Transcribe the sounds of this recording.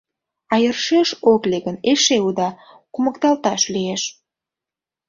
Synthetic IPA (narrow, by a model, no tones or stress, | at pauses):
ɑjərʃeʃokleɣəneʃeud̪ɑ | kuməkt̪ɑlt̪ɑʃlieʃ